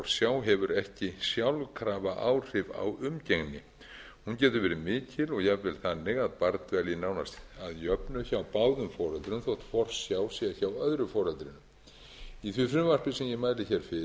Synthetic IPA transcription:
ɾsjaːwɦɛvʏɾɛhcɪsjawlkʰɾaːvaʔa̰ːwr̥ɪva̰wʏmceŋnɪ | huncɛːt̪ʏɾvɛːɾɪmɪːcʰɪlɔɣjɛvɛlθanːɪɣaðpaɾt̪vɛljɪnaːwnast̪aðjœpnʏçawpaːwðʏmfɔːɾœlt̪ɾʏmθɔht̪fɔɾ̥ssjaːwsɛaçawœðɾʏfɔːɾœlt̪ɾɪnːʏm | iθvɪfɾʏmvar̥pɪsɛmjɛmaːjlɪçɛɾ̥fɪ

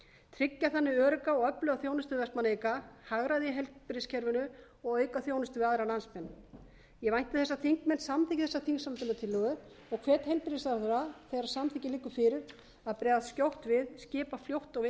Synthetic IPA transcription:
t̪ʰɾɪcːaθanːɪœːɾʏkaɔɣœplœɣaθjoːwnʏst̪ʏvɛst̪maneːjkahaɣɾaðjɛɦɛlpɾɪscʰɛɾvʏnʏ | ɔɣœːɥkaθjoːwnɪst̪ʏaðɾalansmɛnː | jɛvajn̥t̪ɪθɛsːaθʰiŋkmɛnsamtθicɪ̥θɛsaθiŋksamt̪ʏnat̪ʰɪlːœɣʏ | ɔɣkʰv̥ɛːt̪hɛjlpɪɾɪsaɾθɾaθɛjɾasamtθiːcɪlɪkːʏfɪːɾɪɾ̥ | aðpɾɛːðascowht̪vɪðscɪːpafljowht̪ɔɣɪ

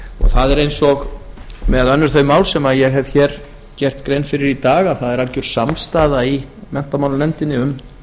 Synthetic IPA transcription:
ɔ̰ɣθaðɛɾejnsɔɣmɛðœnːʏɾ̥θœɥmaːwlsɛmajɛɣɦɛv̥çɛːɾ | cɛr̥t̪kɾejnfɪɾɪɾit̪aːɣaθaðɛɾalcʏɾ̥samst̪aːðaimɛn̥t̪amawlanɛmt̪ɪnːɪʏm

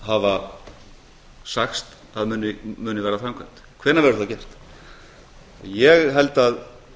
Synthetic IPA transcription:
hava | saxst̪ | θaðmʏnɪmʏːnɪvɛːɾaθɾaŋkʰœm̥t̪kʰvɛːɾnavɛɾ̥θacɛr̥t̪ | ajɛɣɦɛlt̪að

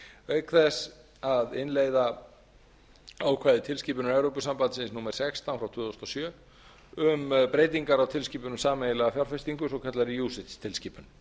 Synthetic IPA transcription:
œɥkθɛs | aðɪnleːjða | aːwkʰvaːjðɪt̪ʰɪlsciːpʏnʏmɛvɾowpʏsampant̪sɪnsnuːmɛɾ̥sɛkst̪aw̪fɾawt̪ʰʏːðost̪ɔsjœː | ʏmpɾeːjt̪iŋkaɾawt̪ʰɪlsciːpʏnʏmsaːmejɪlɛɣafjawɾ̥fɛst̪iŋkʏsɔkʰɛt̪laɾɪjuːsɪt̪st̪ʰɪlsciːpʏn

